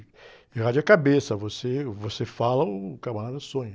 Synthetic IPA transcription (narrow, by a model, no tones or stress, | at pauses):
had͡ʒʊakabesɐvosevosefalɐʊkabãɾad̪ɐsõɲɐ